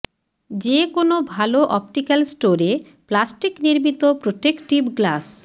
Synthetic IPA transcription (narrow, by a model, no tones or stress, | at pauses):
d͡ʑekonobʱaloʔɔp̚ʈikalsʈoɾe | plasʈikniɾmit̪opɾoʈekʈibɡlas